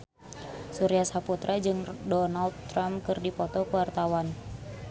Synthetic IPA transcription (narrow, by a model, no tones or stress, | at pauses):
suɾiasaput̪ɾʔad͡ʒɨŋdɔnald̪t̪ːɾamkɨrdipɔt̪ɔkuwart̪awan